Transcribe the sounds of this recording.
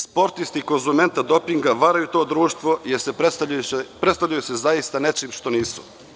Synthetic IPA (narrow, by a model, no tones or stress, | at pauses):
spo̞ɾt̪ist̪iːko̞nzume̞nt̪ad̪o̞piŋɡaʋaɾajut̪oːd̪ɾuːʃt̪ʋo̞jeɾseapɾet̪st̪avʎʲajusezajist̪ane̞t͡ʃiːmʃt̪o̞niːsu̥